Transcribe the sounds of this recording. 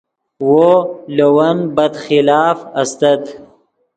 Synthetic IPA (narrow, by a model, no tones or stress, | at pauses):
wolowɐnbɐd̪xɪlɑːfɐst̪ɐt̪